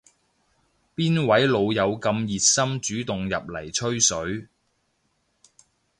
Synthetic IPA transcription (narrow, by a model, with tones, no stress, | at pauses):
piː˥nwɐ˨˥jlo˨˧wjɐ˨˧wkɐ˧mjiː˨t̚sɐ˥mt͡ʃyː˨˥t̪ʊ˨ŋjɐ˨p̚lɐ˨˩jt͡ʃʰɵ˥ɥsɵ˨˥ɥ